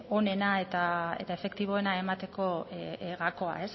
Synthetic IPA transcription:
o̞ne̞nae̞t̪ae̞̰t̪ae̞fe̞kt̪iβ̞o̞e̞nae̞mat̪e̞ko̞ɣako̞a̰e̞s

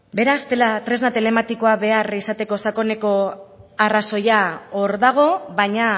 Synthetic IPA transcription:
be̞ɾast̪e̞lat̪ɾe̞znat̪e̞le̞mat̪iko̞aβe̞arisat̪e̞ko̞sako̞ne̞ko̞araso̞jaoɾðaɣ̞o̞βajɲa

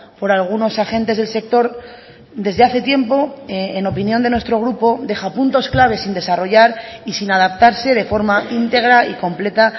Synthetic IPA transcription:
po̞ɾalɣ̞uno̞saxẽ̞nt̪e̞zð̞e̞lse̞k̚t̪o̞ɾ | d̪e̞zðe̞aθe̞t̪je̞mpo̞eno̞pinjo̞nd̪e̞nwest̪ɾo̞ɣ̞ɾupo̞ðe̞xapunt̪o̞sklaβ̞e̞sind̪e̞saro̞ʝaɾisinað̞apt̪aɾse̞ð̞e̞fo̞ɾmaint̪e̞ɣ̞ɾaiko̞mple̞t̪a

